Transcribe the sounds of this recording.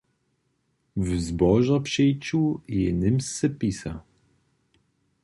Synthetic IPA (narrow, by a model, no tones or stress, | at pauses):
vzbɔʒapʂɛjt͡ɕujɛnɨmsːɛpisa